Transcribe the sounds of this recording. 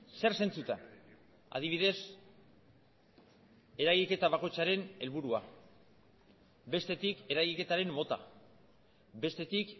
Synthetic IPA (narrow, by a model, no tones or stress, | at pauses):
se̞ɾse̞nt͡sut̪en | a̰ðiβiðe̞s | e̞ɾaɣike̞t̪aβakojt͡saɾe̞ne̞lβuɾua | βe̞st̪e̞t̪ike̞ɾaɣike̞t̪aɾe̞mːo̞t̪a̰ | be̞st̪e̞t̪ik